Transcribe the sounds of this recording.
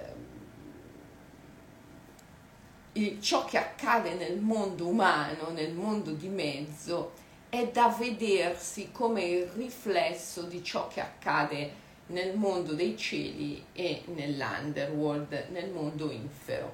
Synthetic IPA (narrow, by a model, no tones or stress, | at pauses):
it͡ʃɔkʰːeakːaːd̪enelmond̪oumaːnonelmond̪od̪imɛd̪zːo | ɛd̪aved̪ersikoːmeiriflɛsːod̪it͡ʃɔ̰kʰːea̰kːaːd̪e | nelmond̪od̪ɛjt͡ʃḛːlḭenelːa̰nd̪ɛɾwold̪nelmond̪oḭɱfḛɾo̰